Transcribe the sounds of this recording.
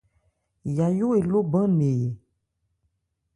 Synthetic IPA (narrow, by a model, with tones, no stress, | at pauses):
ja˨jo˦e˨lo˦bã˦ne˨